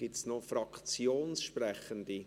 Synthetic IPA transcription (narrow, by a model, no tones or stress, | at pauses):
ɡ̥ɪtsnofɾɑkt͡sjoːnsʃprɛχənd̪i